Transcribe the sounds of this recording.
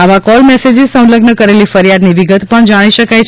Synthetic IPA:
aʋakɔlmɛsed͡ʒesə̃w̃ləɡnəkəɾelifəɾijad̪niʋiɡət̪pəɳd͡ʒaɽ̃iʃəkajt͡ʃʰ

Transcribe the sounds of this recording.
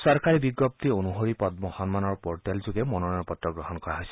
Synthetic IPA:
sɔɹkaɹibiɡɔp̚t̪ionuɦoɹipɔt̪̚mɔxɔnmanɔɹpɔɹtɛlzʊɡɛmɔnɔɹanpɔt̪ɹɔɡɹɔɦɔnkɔɹaɦɔjsɛ

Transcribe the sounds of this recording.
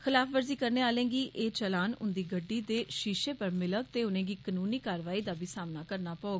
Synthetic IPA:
xɪlaːfʰʋəɾziːkəɾneːaːlẽːɡiːʔeːt͡ʃəlaːnʊ̰nd̪iːɡəɖːiːd̪eːʃiːʃeːpəɾmɪlək̚t̪eːʊnẽːɡiːkənuːniːkaːɾʋaːiːd̪aːbiːsaːmnaːkəɾnaːpəoːɡ

